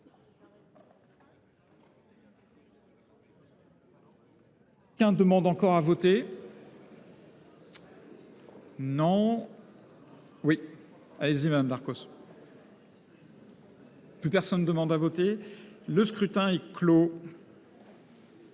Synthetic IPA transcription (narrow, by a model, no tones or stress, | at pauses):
kʲɛ̃d̪əmɑ̃d̪ɑ̃kɔʁavɔt̪e | nɔ̃ | wi | alezimad̪amd̪aʁkos | plypɛʁsɔnd̪əmɑ̃d̪avɔt̪eləskχyt̪ɛ̃ɛklo